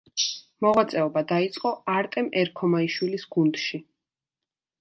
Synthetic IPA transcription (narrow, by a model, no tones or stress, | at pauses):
mɔʁwat̪sʼɛɔbad̪ait̪sʼqʼɔaɾt̪ʼɛmɛɾkʰɔmaiʃwilisɡ̥und̪ʃi